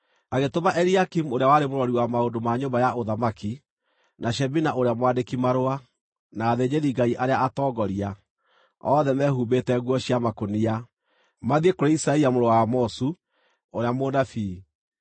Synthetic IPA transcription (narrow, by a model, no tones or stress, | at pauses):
aɣetomaʔɛɾiakimuoɾeawaɾemoɾwɔɾiwamaondomaɲombajaoðamaki | naʃɛbinaʔoɾeamwadekimaɾoa | naːðeɲeðiɡaiʔaɾeaatɔːɡɔɾia | ɔðɛmɛhuːbetɛɣwɔɕiamakonia | maðiekoɾeisaiamoɾowamɔsu | oɾeamoːnafiː